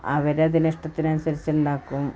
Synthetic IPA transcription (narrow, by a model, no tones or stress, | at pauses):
ɐʋɐɾeɐðiniʂʈɐt̪ːinɐnusɐɾit͡ɕːɐuɳɖaːkːum